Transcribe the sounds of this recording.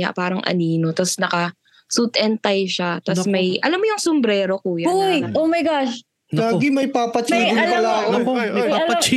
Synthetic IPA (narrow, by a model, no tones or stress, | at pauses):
a̰paːɾɐŋʔɐ̰niːno̞t̪ɐsnɐkɐ | suːt̪ʔɛnt̪ɐjʃat̪ɐssmɐjʔɐ̰lamːojʊŋsombɾɛːɾo̞kuːjɐʔoːmɐjɡaʃ | llaːɡɪmɐjpapɐt͡ʃiːɡʊɐlɐlaːʔoaɐ